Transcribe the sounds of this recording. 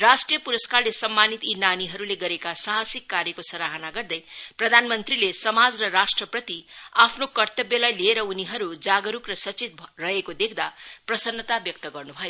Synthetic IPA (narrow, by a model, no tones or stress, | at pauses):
rasʈrijʌpuɾʌskarlesʌmːanit̪inaniɦʌɾuleɡʌɾekasaɦasikːaɾjʌkosʌɾaɦʌnaɡʌrd̪ʌjprʌd̪ʱanmʌnt̪rilesʌmad͡zrʌɾasʈrʌprʌt̪iapʰnokʌrt̪ʌbjʌlajlieɾʌuniɦʌɾud͡zaɡʌɾukrʌsʌt͡sit̪̚rʌekod̪ekʰd̪aprʌsʌnːʌt̪abjʌk̚t̪ʌɡʌrnubʱʌjo